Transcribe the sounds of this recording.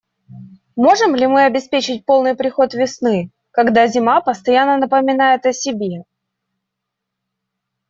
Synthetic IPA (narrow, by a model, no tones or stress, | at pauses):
mo̞ʐɨmlʲɪmɨɐbʲɪspʲet͡ɕɪt̚ʲpo̞lˠnɨjpɾʲɪxo̞t̪vʲɪsnɨ | kɐɡd̪azʲɪmapəst̪ɐjanːənəpəmʲɪnajɪt̪əsʲɪbʲe̞